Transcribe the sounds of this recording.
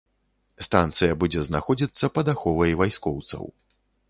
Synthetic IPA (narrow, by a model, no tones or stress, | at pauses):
st̪ant̪sɨjɐbud͡zʲɛznaxɔd͡zʲit̪sːɐpɐd̪axɔvɐjvajskɔwt̪sɐ̰w